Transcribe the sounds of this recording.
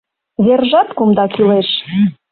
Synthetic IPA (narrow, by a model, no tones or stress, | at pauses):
βerʒɑt̪kumd̪ɑkyleʃ